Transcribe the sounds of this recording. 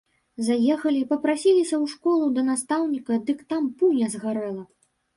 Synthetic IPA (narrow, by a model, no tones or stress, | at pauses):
zajɛxɐlʲipɐpɾasʲilʲisʲɐwʂkɔlˠud̪ɐnast̪awnʲikɐd̪ɨkt̪ampunʲɛzɣaɾɛlˠɐ